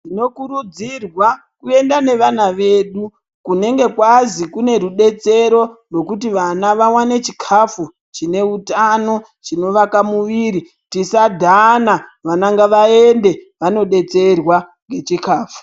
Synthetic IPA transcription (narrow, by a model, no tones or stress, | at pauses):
tino̞kuɾud͡zirwa | kue̞ndane̞ʋanaʋe̞ːɗu | kune̞ŋɡe̞kwazikune̞ɾuɗe̞t͡se̞ɾo̞rwo̞kutiʋanaʋawanet͡ʃikʰafu | t͡ʃine̞utano̞ | t͡ʃino̞ʋakamuʋiɾi | tisadʱanaʋanaŋɡaʋae̞nde̞ | ʋano̞ɗe̞t͡se̞rwaŋɡe̞t͡ʃikaːfu̥